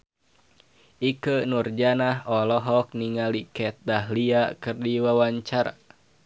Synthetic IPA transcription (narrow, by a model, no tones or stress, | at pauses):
ʔikənurd͡ʒanaɦɔlɔɦɔk̚niŋalikɛt̪̚daɦliakɨrdiwawaɲt͡ʃaɾa̰